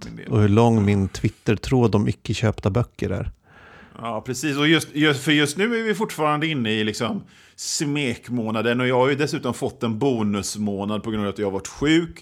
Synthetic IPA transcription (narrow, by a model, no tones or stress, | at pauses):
ɔhɵɭɔŋːmɪnt̪ʰvɪt̪ːəɾʈʰɾoːd̪ɔmʏ̰kːəɕøːpt̪abœkːə̰ɾæ̰ɾ | ɑːpʰɾɛsiːsɔjɵst̪jɵfœɾjɵst̪nʉ̟ːæɾvɪfʊʈːfɑːɾand̪əɪnːəɪlɪksɔm | smeːkmoːnad̪ənɔjɑːhaɾjɵd̪ɛsʉ̟ːt̪ɔmfɔt̪ːɛnbuːnɵsmoːnad̪̚pʰɔɡɾɵnɑvat̪jɑːhavaʈɧʉ̟ːk